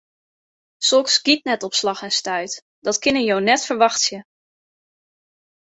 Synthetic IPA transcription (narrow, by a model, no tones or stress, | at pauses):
sɔlˠksɡitnɛtɔpslɑχɛnstœɥt | d̥ɑtkɪnəjownɛtfəɹʋɑxtsjə